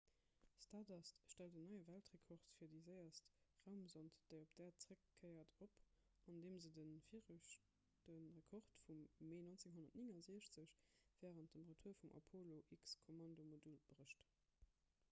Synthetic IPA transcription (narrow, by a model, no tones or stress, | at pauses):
stɑdɑstʃtæltənːɑɪəvæltʁekʰɔʁtfiːɐdizəɪɐstʁaʊmzɑntd̥əɪopd̥ɛːɐt͡səʁəkʰːɜɪɐtʰop | ɑndeːmzədənfi | d̥ənʁəkʰɔʁtfumːeːnont͡seŋɦonɐtniŋɑziəɕt͡səɕv̥ɛːʁənt̚dəmʁətʰuɐfumʔɑ̰pʰoloʔikskʰomɑndomodulb̥ʁəʃt